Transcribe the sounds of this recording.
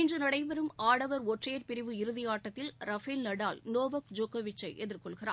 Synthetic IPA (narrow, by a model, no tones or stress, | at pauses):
ɪndrɯnɐɽɐɪʋɐɾɯmaːɽɐʋɐɾɔʈreːɾpɪɾɪʋɯɪɾɯðɪjaːʈːɐt̪ːɪlɾɐfɪlnɐɽaːlnoːʋɐkd͡ʒokːɐʋɪt͡ʃːɐɪʔɛðɪɾkɔɭɣɪra̰ː